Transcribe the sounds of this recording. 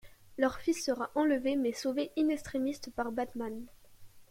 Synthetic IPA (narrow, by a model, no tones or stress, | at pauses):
lœʁfisːəʁaʔɑ̃ləvemɛsoveʔinɛst̪χimist̪paʁbat̪man